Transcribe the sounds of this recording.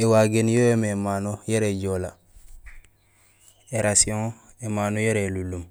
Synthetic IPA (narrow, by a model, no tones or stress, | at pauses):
ewaɡenjojememaːnojeɾeɟola | eɾasiõŋ | emaːnojeɾelulum